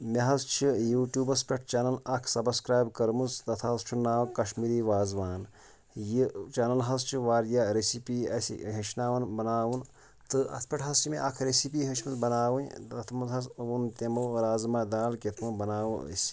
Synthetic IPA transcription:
meɦɐzt͡ʃʰijuːʈjuːbɐspʲɐʈ̚ʰt͡ʃɐnɐlɐkʰsɐbskɾaːjbkɐɾmust̪ɐt̪ʰaɐzt͡ʃʰunaːwkɐʃmiːɾiːʋaːzʋaːn | jit͡ʃanɐlɦɐst͡ʃʰiʋaːɾjaɾesipiɐsḭɦeʃnaːʋɐnbɐnaːwun | t̪ɨʔɐ̰t̪ʰpʲɐʈʰɦɐst͡ʃʰimeʔɐkʰɾesip̬iːɦɐʃmɐsbɐnaːʋunt̪ɐt̪ʰmɐt̪ɦɐsunt̪emɐwɾaːzmaːd̪aːlkʲet̪ʰmɐbɐnaːʋə̰sʲ

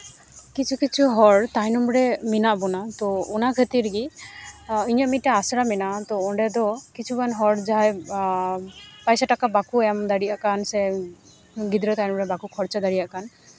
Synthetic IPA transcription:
kit͡ʃʰukit͡ʃʰuɦɔɽt̪ajnɔmbɾɛminaʔbɔnat̪ɔːnakʰət̪iɾɡi | iɲɔmiʈaasɾaminat̪ɔɔɳɖɛd̪ɔkit͡ʃʰubanɦɔɽd͡ʒaj | pajsaʈakabakuɛmd̪aɽiʔaʔkansɛ | ɡid̪ɾɔt̪ajnɔmɾɛbakukʰɔɾt͡ʃad̪aɽijaʔkan

